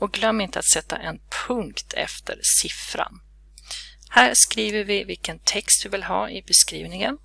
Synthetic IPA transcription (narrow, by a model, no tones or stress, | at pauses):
ɔɡlœmːɪnt̪əa̰t̪sɛt̪ːa̰ʔɛnpʰɵŋkt̪ʰɛ̰ft̪ʰə̰ɾsɪfɾa̰n | hæːɾʂkɾiːvəɾvɪvɪlkənt̪ʰɛkst̪̚d̪ɵvɪlɦɑːɪbɛskɾḭːvnɪŋən